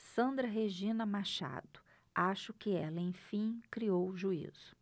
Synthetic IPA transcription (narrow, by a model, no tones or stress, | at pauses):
sɐ̃nd̪ɾɐɦeʒĩnɐmaʃa̰d̪ʊ̥ | aʃʊkɪɛlɐẽj̃ffĩkɾiowʒuḭz̥ʊ̥